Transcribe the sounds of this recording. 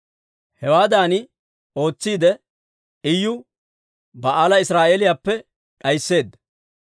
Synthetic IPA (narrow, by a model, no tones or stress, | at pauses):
hɛwaːd̪aːnɪ | o̞ːt͡sːiːd̪ɛ | ɪjːʊ | bɐʔaːlɐɪsɾaːʔelɪjaːpːɛ | ᶑɐjsːe̞ːd̪ːɐ